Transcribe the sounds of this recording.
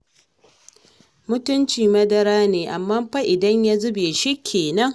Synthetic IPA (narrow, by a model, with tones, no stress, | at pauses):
mʊ˦tʊ˦nt͡ʃiː˨mɐ˦dɐ˦ɾaː˦neː˨ʔa˨mːaː˦mɸa˦ʔɪ˨dɐ˦ɲja˦zʊ˦beː˨ʃi˦kʲʰːeː˨nɐ˦ŋ